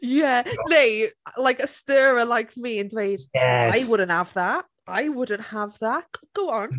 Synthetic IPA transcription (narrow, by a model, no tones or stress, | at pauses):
jɛneɪlaɪkəstɜːɹəlaɪkʰmiə̃ndweɪd̥aɪwʊdⁿən̩thavðaʔ | aɪwʊdⁿn̩thəvðaʔɡɡ̥oʊə̃n